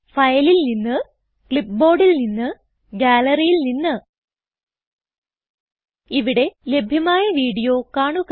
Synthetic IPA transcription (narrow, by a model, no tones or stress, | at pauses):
fɐjlilninːɨ | kɭip̚bo̞ːrɖilninːɨ | ɡʲaːlɐrijilninːɨ | iʋiɽe̞le̞bʱjɐmaːjɐʋiːɽijo̞ːkaːɳuk